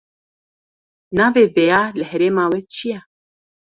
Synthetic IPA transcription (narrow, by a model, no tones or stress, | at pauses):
navevejalɛhɛɾemawet͡ʃia